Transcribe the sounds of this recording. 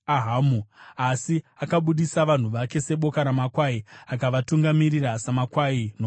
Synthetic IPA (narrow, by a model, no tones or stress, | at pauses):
aɦamuasiakaɓuɗisaʋan̤uʋake̞se̞ɓo̞kaɾamakwaiakaʋatuŋɡamirirasamakwaino